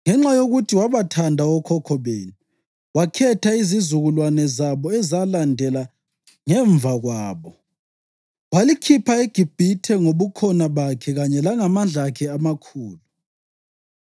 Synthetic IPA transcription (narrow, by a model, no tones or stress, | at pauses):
ŋɛŋ͡ǁajoɣutʰiwaβatʰandʱaɔkʰɔkʰɔβeːni | wakʰɛtʰaizizuɣulwanɛzaβɔɛzalandʱɛla | ŋɛɱvʱaɣwaːβɔ | walikʰipʰaeɡ̥ʱib̥ʱitʰɛŋoβukʰɔnaβakʰɛɣaɲɛlaŋamanɮakʰɛamakʰuːlu